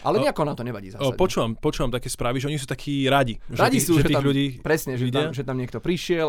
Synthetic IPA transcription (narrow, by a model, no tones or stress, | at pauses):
ʔalɛɲɲɛakɔnamt̪ɔɲɛʋaɟḭːzapɔt͡ʃuːʋampɔt͡ʃuːʋamt̪akɛːspɾaːʋiʒɛɔɲis̬uːt̪akʰiːɾaɟiʒɾaɟisuɛʒɛt̪imʎuɟiːpɾɛsɲɛʒɛiɟɛaʒɛt̪amɲɪɛk̚t̪ɔpɾiʃɪɛl